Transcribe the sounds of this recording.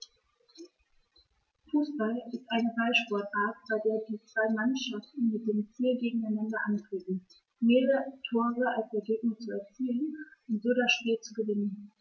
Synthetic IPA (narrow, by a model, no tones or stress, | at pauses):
fuːsb̥alɪstʔaɪnəfalʃpɔɐtaːt̚b̥aɪdeːɐdiːt͡sv̥aɪmanʃaftn̩mɪt̚d̥eːənfiːlɡeːɡŋ̩aɪnandɐʔantʁ̥eːbn̩ | meːʁəʁətʰoːʁəalsɛɐɡeːknʊst͡suɛɐt͡siːənʊntz̥oːɾasʃpiːlt͡suɡəvɪnən